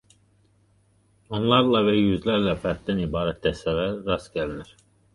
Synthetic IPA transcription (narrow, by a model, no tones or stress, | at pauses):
onlˠɑɾlˠɑvɛjyzlæɾlɛfæt̪d̪ænibɑːɾɛt̪̚d̪ɛsɛlæɾːɑsɟæliniɾ̥